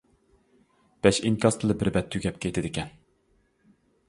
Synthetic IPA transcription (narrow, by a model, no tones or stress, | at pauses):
b̥ɛʃiŋkʰʲɑst̪ʰɨlˠɨbɪɾbɛt̪ʰːyɡʲɛp̚kʲʰejt̪ʰɪd̪ɪkʲʰɛn